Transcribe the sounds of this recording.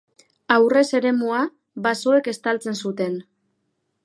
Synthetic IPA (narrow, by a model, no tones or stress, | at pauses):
awre̞se̞ɾe̞mua | βaso̞e̞ke̞st̪alt͡se̞nsut̪e̞n